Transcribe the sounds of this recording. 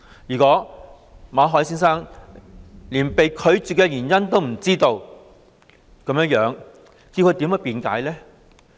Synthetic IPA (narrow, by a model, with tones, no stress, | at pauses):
jyː˨˩kɔː˨˥ | maː˨˧ɦɔː˨˥jsiː˥nsaː˥ŋ | liː˨˩npe˨jkʰɵ˨˧ɥt͡ʃyː˨kɛ˧jyː˨˩njɐ˥nt̪o˥wm̩˨˩t͡siː˥t̪o˧w | kɐ˨˧mjɐ˥ŋjœː˨˥ŋ | kiː˧wkʰɵ˨˧jt̪iː˨˥mɐ˨˥piː˨nka̰ː˨˥jlɛː˥